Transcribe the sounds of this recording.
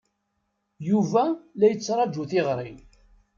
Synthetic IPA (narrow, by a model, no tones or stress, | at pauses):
juvælæjət͡sːɾˤɑd͡ʒuθɪʁɾˤi